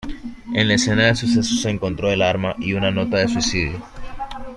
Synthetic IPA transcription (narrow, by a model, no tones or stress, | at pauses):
e̞nlae̞se̞naðe̞suse̞soseːŋko̞nt̪ɾo̞elaɾmaʔiunano̞t̪aðe̞swisiðjo